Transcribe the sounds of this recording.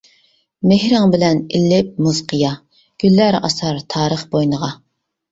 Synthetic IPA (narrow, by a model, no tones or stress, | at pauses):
mɪhɾɪŋbɪlɛnilːɪp̚muz̥qʰəjɑ | ɡ̥ʲylːæɾɑ̰sɑɾt̪ʰɑːɾəχbojnəʁɑ